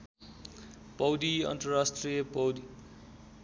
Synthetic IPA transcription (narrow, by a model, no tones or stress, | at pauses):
pʌwd̪iʌ̰nt̪ɾʌɾasʈrijʌpʌwd̪i